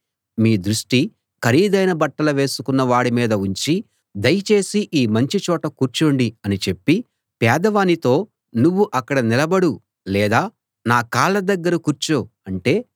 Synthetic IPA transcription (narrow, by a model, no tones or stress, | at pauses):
miːd̪ɾuʂʈi | kɐɾiːd̪ɐjnɐbɐʈːɐlɐʋe̞ːsu̥kunːɐʋaːɽimiːd̪ɐuɲt͡ʃi | d̪ɐjt͡ʃe̞ːsiʔiːmɐɲt͡ʃit͡ʃɔːʈɐkuːɾt͡ʃoɳɖiɐnit͡ʃe̞pːi | pɛːd̪ɐʋaːnit̪o̞ː | nuʋːuʔɐkːɐɽɐnilɐbɐɽu | lɛːd̪aː | naːkaːlːɐd̪ɐɡːɐɾɐkuːɾt͡ʃoːɐɳʈe̞ː